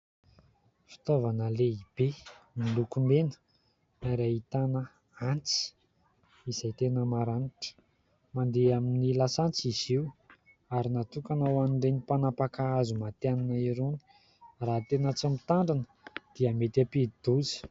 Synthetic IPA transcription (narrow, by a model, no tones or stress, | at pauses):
fi̥t̪ovanəleib̥emilukumenə̥ | aɾait̪anə | ant͡si̥ | izajt̪enəmaɾaniti̥ | mand̪eaminilasant͡siz̥iw | aɾinat̪ukanawaniɳɖ͡ʐenipanapakaazumat̪eananaiɾoni̥ | raɦt̪enət͡simit̪aɳɖ͡ʐanə̥ | d̪̥iamet̪apid̪̥uzi̥